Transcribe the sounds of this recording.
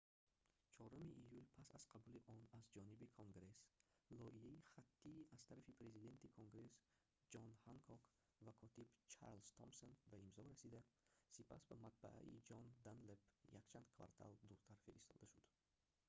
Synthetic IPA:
t͡ʃʰɔɾumiʔijulpʰasaz̥qʰabuliʔɔnazd͡ʒɔnibikʰoŋɡɾe̞slɔijaiχat̪ʰːiːaz̥t̪ʰaɾafipɾe̞zid̪e̞nt̪ikʰoŋɡɾe̞s | d͡ʒɔnhaŋkʰɔk | vakʰɔt̪ʰibt͡ʃʰa̰ɾlz̥t̪ʰɔmsonbaimzɔɾasid̪asipʰa̰sbamat̪̚ba̰ʔa̰ḭd͡ʒɔnd̪anlepjakt͡ʃʰand̪kʰva̰ɾt̪ʰa̰ld̪uɾt̪ʰaɾfiɾḭst̪ʰɔ̰d̪aʃud̪̥

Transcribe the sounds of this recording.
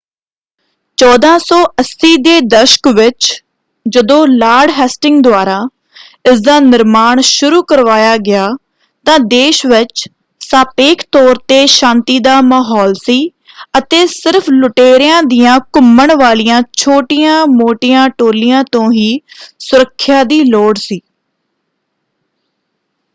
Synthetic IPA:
t͡ʃɔːd̪ãːsɔːəsːiːd̪eːd̪əʃə̥kʋɪt͡ʃ | d͡ʒəd̪õːlaːɖɦɛːsʈɪŋɡ̚d̪ʊaːɾaː | ɪsd̪aːnɪɾmaːɳʃʊɾuːkəɾʋaːjaːɡɪaː | t̪ãːd̪eːʃʋɪt͡ʃ | saːpeːkʰt̪ɔːɾt̪eːʃãːnt̪iːd̪aːmaːɦɔːlsiː | ət̪eːsɪɾpʰlʊʈeːɾɪjãːd̪ijãːkʊməɳʋaːlijãːt͡ʃʰoːʈɪjãːmoːʈɪjãːʈoːlɪjãːt̪õːɦiːsʊɾəkʰːɪjaːd̪iːloːɽsiː

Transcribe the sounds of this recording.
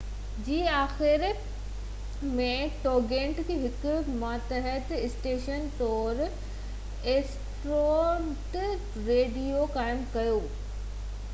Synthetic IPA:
d͡ʑiːaːxɪɾ | mẽʈoːɡẽːɳʈkʰeɦɪkʊmaːt̪əɦət̪ɪsʈeːʃənt̪ɔːɾ | eːs | ʈɾoʈ | ɾeːɖijokaːɪmkɐjoː

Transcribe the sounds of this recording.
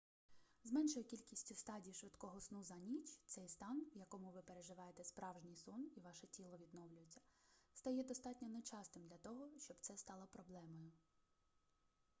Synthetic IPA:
zmɛnʃɔjʊkʲilʲkʲisʲtʲʊst̪ɑdʲiːʃʋɪt̪kɔɦɔsnuzɐnʲit͡ʃʲt̪sɛjst̪ɑnwjɐkɔmʊʋɪpeɾeʒɪʋɑjet̪ɛspɾɑwʒnʲijsɔniʋɑʃɛtʲilˠɔʋʲid̪nɔwlʲʊjet͡sʲːɐ̥st̪ɐjɛd̪ɔst̪ɑtʲnʲɔnet͡ʃɑst̪ɪmd̪lʲɐt̪ɔɦɔʃt͡ʃɔbt̪sɛst̪ɑlˠɔpɾɔblˠɛmɔjʊ

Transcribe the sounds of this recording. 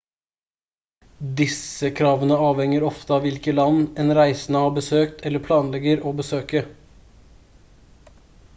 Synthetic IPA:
d̪ɪsəkʰɾɑːʋənəɑːʋhɛŋəɾɔft̪əɑːʋɪlkəlɑnːɛːnɾæɪsn̩əɑːbəsøːkt̪ʰɛlːəpʰlɑːnlɛɡəɾoːbəsøːkə

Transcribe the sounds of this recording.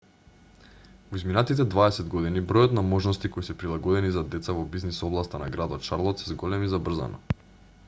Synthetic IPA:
voizminat̪it̪̬ɛd̪vaɛsɛd̪ɡɔd̪inibɾɔjɔt̪namɔʒnɔst̪ikɔjsɛpɾilˠaɡɔd̪ɛnizad̪ɛt̪savɔbiznisɔblˠast̪ana̰ɡɾad̪ɔt̪ʃaɾlˠɔt̪sɛzɡɔlɛmizabr̩za̰na

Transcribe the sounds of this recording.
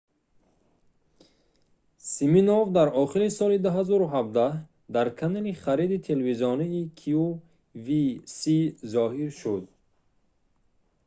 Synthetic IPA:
siminɔvd̪aɾɔχiɾisɔlid̪uɦazɔɾuɦab̚d̪ah | d̪aɾkʰanaliχaɾid̪it̪ʰelviziɔniːkʰiu | visizɔɦiɾʃud̪

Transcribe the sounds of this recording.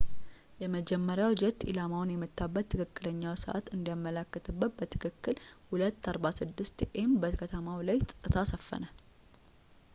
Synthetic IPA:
jɛməd͡ʒɛmːəɾjawd͡ʒɛt̪ḭlamawnjɛmːɨt̪ːabːət̪ʰːɨkʰɨkːɨləɲːawsəʔa̰t̪ɨnd̪ijamːəlakːət̪ʰɨbːət̪̚bət̪ʰɨ̥kʰɨkːɨlhulət̪ːaɾbasɨd̪ːɨst̪ʔembəkʰət̪ʰəmawlajt̪ʼɨt̪ʼːɨt̪ʰasəfːə̰nə

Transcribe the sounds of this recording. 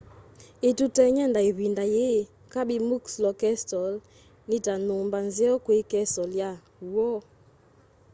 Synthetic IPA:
etutɛɲɛndaiβindaje | kaɓimukslɔkɛstɔl | nitanumbanzɛɔkwekɛstɔlja | uɔ

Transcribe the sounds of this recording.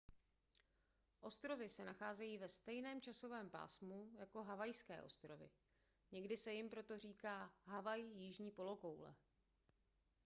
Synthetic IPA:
ʔo̞st̪ɾo̞vɪsɛnaxaːzɛjiːvɛst̪ɛjnɛːmt͡ʃaso̞vɛːmpa̰ːsmujako̞ɦavajskɛ̰ːʔo̞st̪ɾo̞vɪ̰ | ɲɛɡdɪsɛjɪmpɾo̞t̪o̞r̝iːkaːɦavajjiʒɲiːpo̞lo̞kowlɛ̰

